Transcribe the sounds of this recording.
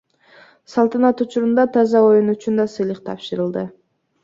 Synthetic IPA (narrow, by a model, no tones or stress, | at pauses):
sɑlˠt̪ɑnɑt̪ut͡ʃuɾund̪ɑt̪ʰɑzɑo̞junut͡ʃynd̪ɑsɯjlˠɯqt̪ʰɑ̰pʃɯɾɯlˠd̪ɯ